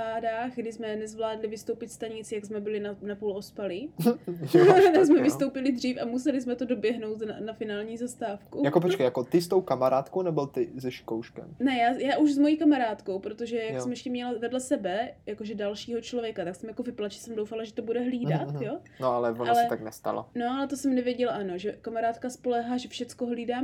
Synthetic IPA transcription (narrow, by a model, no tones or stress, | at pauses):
aːdaːɣɡdɪsmɛnɛzvlaːdlɪvɪst̪owpɪt̪st̪aɲɪt͡sɪjaɡsmɛbɪlɪnanapulʔo̞spalɪ | as̬mɛvɪst̪o̞wpɪlɪd̪r̝iːfʔamusɛlɪs̬mɛt̪odo̞bjɛɦnowt̪nanafɪnaːlɲiːzast̪aːfkujakop̬ot͡ʃkejakot̪ɪst̪owkamaɾaːt̪kownɛbɪlt̪ɪzɛʃkowʃkɛ̰mnɛjaːjaːʔuʒzmo̞jiːkamaɾaːt̪ko̞wpɾot̪oʒɛjakssɛmjɛʃcɛmɲɛlavɛdlɛsɛbɛjakoʒɛdalʃiːɦot͡ʃlovjɛkat̪aksɛmjako̞vɪplaʒɛsɛmdowfalaʒɛt̪obudɛɦliːdat̪jo | noalɛvonalɛɛt̪aknɛst̪a̰lo̰noʔalɛt̪osɛmnɛvjɛɟɛlaʔano̞ʒɛkamaɾaːt̪kaspo̞lɛɦaːʒɛfʃɛt͡skoɦliːdaː